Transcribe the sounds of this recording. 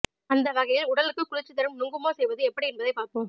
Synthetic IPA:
ɐnd̪ɐʋɐɣɐjɪlʊɽɐlɯkːɯkːʊɻɪt͡ʃːɯt̪ːɐɾɯmnʊŋɡɯmoːsɛjʋɐðɯɛpːɐɽiɛnbɐðɐɪpːaːɾpoːm

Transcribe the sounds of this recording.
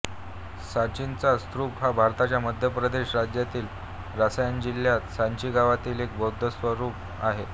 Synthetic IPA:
sat͡ɕint͡sast̪ɾuːpɦabʱaɾt̪at͡ɕjaməd̪ʱjəpɾəd̪eɕɾad͡ʑjat̪iːl | ɾasajand͡ʑiljat̪saɲt͡ɕiːɡaʋat̪iːlek̚bʱowd̪ʱːəsʋəɾuːp̚ | a̰ɦe

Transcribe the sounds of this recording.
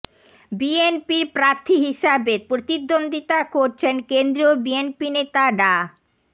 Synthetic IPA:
bienpiɾpɾaɾt̪ʰiɦiʃabeɾpɾot̪id̪ːond̪ʱit̪akoɾt͡ɕʰenkend̪ɾiobienpinet̪aɖa

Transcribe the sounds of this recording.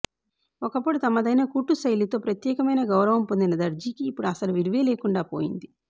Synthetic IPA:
ɔkɐpːoɽut̪ɐmɐd̪ɐjnɐkuːʈːusɐjlut̪o̞ːpɾɐt̪jɛːkɐmɐjnɐɡɐwɾɐʋɐmpond̪inɐd̪ɐɾd͡ʒiːkiːpːuɽuɐsɐluʋiɾʋeːleːkuɳɖaːpoːjind̪i

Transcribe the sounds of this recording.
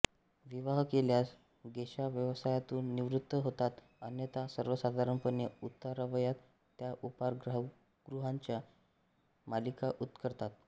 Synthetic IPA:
ʋiʋaɦkeljas | ɡeɕaʋjəʋsajat̪uːnːiʋɾut̪ːəɦot̪at̪ | ənjət̪asəɾʋəsad̪ʱaɾəɳpənjeut̪ːaɾaʋəjat̪ː | jaʔupaɾɡɾa | ɡ̥ɾuɦaɲt͡ɕja | malikaʔut̪kəɾt̪at̪̚

